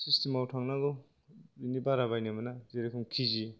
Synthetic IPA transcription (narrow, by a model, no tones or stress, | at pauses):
sistʰimawtʰaŋnaɡɔ | inibaɾabajnemanadeɾekʰɔŋkʰizi